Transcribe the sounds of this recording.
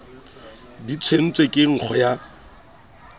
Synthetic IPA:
dit͡sʰwen̩t͡sʼwekʼɪŋ̩k͡xʰɔja

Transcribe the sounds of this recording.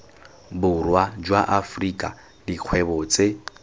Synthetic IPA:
bʊrwad͡ʒwaʔafrikʼa̰ | diq͡χʰwɛbɔt͡sʼe

